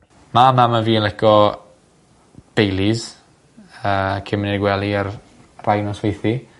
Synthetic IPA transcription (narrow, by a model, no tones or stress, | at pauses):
mamamaviːənlɛɡɔ | b̥ejlˠiz̥ | əːkʰɪmniɡwɛlˠiar | rajnɔswejθi